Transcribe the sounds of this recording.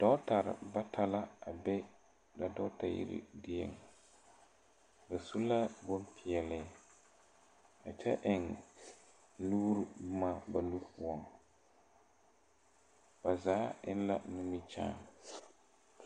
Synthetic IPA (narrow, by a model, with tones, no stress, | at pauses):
d̥ɔ˦ta˨ɾɪ̰˨ba˦tʰa˦la˦a˨bɛ˦ | da˨dɔ˦ta˨jḭ˦ɾḭ˦dɪ˦ɛ̰˨ŋ | ba˨su˦la˦bo˦npʰɪ˨ɛ˨lɪ˨˦ | a̰˨t͡ʃɛ̰˦ʔɪ˨ŋ | luː˦ɾbma˦˨ba˨lu˦pʊ˨˦ɔ˨ŋ | ba˨zaː˨˦ɪ̰˦n˦la̰˦nu˦mi˦t͡ʃa̰ː˦˨ŋ